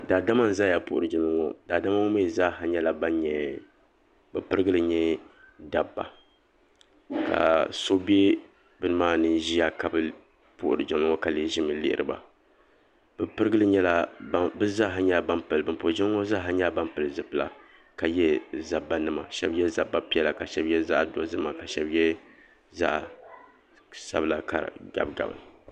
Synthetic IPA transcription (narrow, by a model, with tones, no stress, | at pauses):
da˨da˦ma˦n̩˦˨za˦ja˨pʊ̰˨ʔʊ˨ɾɨ˨d͡ʒɪ˦nɨ˦ŋo̰˦da˨da˦ma˦ʊ˦meː˦˨za˦ɦa˨ɲɛ˦la˨ba˦nɲɛ˨ | bɛ˨pɨ˦ɾɨ˦ɡɨ˦lɨ˨ɲɛ˦ | da˨bːa̰˨ | ka̰˨so˦bi˦e˦ | bɨ˦nɨ˦maː˦˨nɨ˦nʒi˦ja˦ka˨bɨ˦ | pʊ̰˦˨ʔʊ˨ɾɨ˨d͡ʒɪ˨mɨ˦ŋo˦ka˨li˦ʒi˦mɨ˨˦lɪ̰˦ʔɪ̰˦˨ɾɨ̰˨ba̰˨ | b̥ɨ˨pɨ˦ɾɨ˦ɡɨ˦lɨ˦ɲɛ˦la˦bɨ˦za˦ɦa˦ɲa˦ba˦mpɨ˨lɨ˨bɨ˨mpo˨ʒɛ˦ŋo˦za˦ɦa˦ɲa˦ba˦mpɨ˨lɨ˨zɨ˨pːla̰˨ | ka˨jɛ˦za˨bːa˦nɨ˦ma˨ʃɛ˦bjɛ˦za˨bːa˦pi˦ɛ˦la˨ka˨ʃɛ˦bjɛ˦za˦ʔdo˨˦zɨ˦ma˨ka˨ʃɛ˦bjɛ˦ | za̰˦ʔ | sa̰˦bla˦ka̰˨ɡa̰˨b̚ɡa̰˨bɨ̰˨n˨